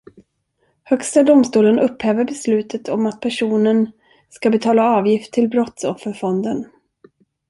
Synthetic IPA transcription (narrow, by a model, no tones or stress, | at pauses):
hœkst̪ad̪ʊmst̪uːlənɵpːhɛːvəɾbɛslʉ̟ːt̪ʰət̪ʰɔmat̪̚pʰæʂuːnən | skabɛt̪ʰɑːlaɑːvjɪft̪ʰːɪlbɾɔt̪sɔfːəɾfɔnd̪ən